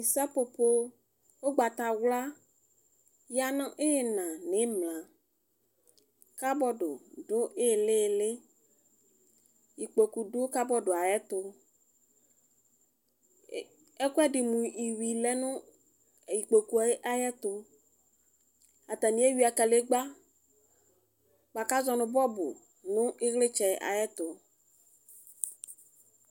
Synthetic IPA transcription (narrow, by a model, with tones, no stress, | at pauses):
i˨sa˦po˨po˦ | wo˦ɡ͡ba˨t̪a˨wla˦ | ja˨nã˦ʔe˦je˨nã˨nẽ˦mlã˨ | ka˦bɔ˦ɖo˨ɖo˦e˦e˨le˦˨le˦ | ji˨k͡po˨ku˨ɖo˦ka˦bɔ˦ɖo˨a˨jɛ˦t̪o˦ | ɛ˦kʊ˦ɛ˦dɪ˨mũ˨i˨wi˨lɛ˦nʊ̃˦˨ | i˨k͡po˨ku˨˦ʔa˨jɛ˦t̪ʊ˨ | a˨t̪a˨nĩ˨˦e˦wi˦a˨ka˨le˦ɡ͡ba˦ | k͡pa˨ka˦zɔ˨nʊ̃˨bɔ˦bʊ̰˨ | nʊ̃˦ɪ˦ɣlɪ˦t͡ʃɛ˨a̰˨jɛ˦t̪ʊ˨